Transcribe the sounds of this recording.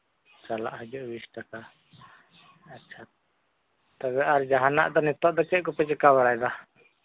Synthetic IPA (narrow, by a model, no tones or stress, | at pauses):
t͡ʃala̰ʔɦəd͡ʒɔʔbisʈaka | atːʃʰa | t̪aβɛaɾd͡ʒaɦana̰ʔd̪ɔnɛt̪ɔʔd̪ɔkɛʔkɔpɛt͡ʃɛkabɛɽajd̪a